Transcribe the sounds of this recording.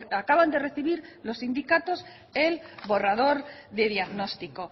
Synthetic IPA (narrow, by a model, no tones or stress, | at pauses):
akaβand̪e̞re̞θiβiɾlo̞sːind̪ikat̪o̞s | elβo̞raðo̞ɾðe̞ðjaɣno̞st̪iko̞